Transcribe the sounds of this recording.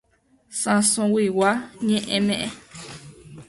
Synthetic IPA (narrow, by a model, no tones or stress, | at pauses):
sãsõwiwaɲẽʔẽmẽʔẽ